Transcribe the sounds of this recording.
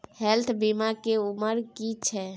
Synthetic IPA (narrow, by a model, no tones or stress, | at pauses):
helt̪ʰbimakeuməɾkit͡ʃʰɛ